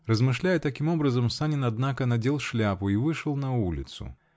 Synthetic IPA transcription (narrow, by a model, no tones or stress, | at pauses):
rəzmɨʂlʲajɛt̪ɐkʲimobɾɐzəmsanʲɪnɐd̪nakənɐdʲelˠʂlʲapʊivɨʂəlˠnɐulʲɪ̰t̪sʊ̰